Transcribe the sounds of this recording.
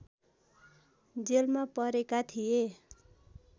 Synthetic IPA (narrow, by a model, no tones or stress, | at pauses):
d͡zelmapʌɾekat̪ʰije